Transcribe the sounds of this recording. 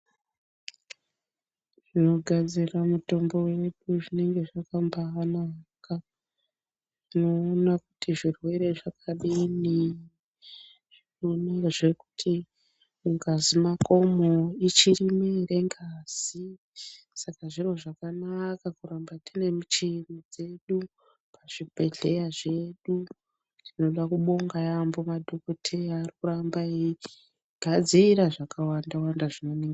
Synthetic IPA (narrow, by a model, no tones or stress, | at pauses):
ʐino̞ɡʱad͡ziramuto̞mbo̞we̞ɗuʐine̞ŋɡe̞ʐakambaanaka | ino̞ːnaku̥tiʐirwe̞ɾe̞ʐakʰaɗini | ʐ̥inonaʐe̞ku̥tʰi | uŋɡazimako̞moit͡ʃirimere̞ŋɡaz̥i | sakaʐiro̞ʐakanakakuɾambatine̞mit͡ʃenid͡ze̞ɗu | pʰaʐ̥ibʱe̞ɮe̞jaʐe̞ɗu | tino̞ɗakuɓo̞ŋɡajambo̞madʱokotʰejaːrikuɾambaii | ɡʱad͡ziɾaʐakʰawandawandaʐino̞neŋɡa